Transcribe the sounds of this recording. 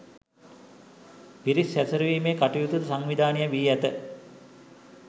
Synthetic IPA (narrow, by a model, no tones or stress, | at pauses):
piɾisæsəɾəʋiːmeːkaʈujut̪ut̪saŋʋid̪ʱaːnijəʋiːæt̪ə